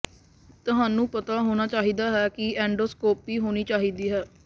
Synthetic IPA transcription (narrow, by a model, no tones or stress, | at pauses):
t̪ʊɦaːnũːpət̪aːɦoːnaːt͡ʃaːɦiːd̪aːɦɛːkɪɛːɳɖoːskoːpiːɦoːniːt͡ʃaːɦiːd̪iːɦɛː